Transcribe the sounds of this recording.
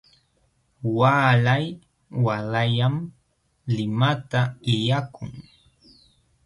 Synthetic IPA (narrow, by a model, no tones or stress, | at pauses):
waːlaj | walajam | lɪmat̪aɪjakʊ̰ŋ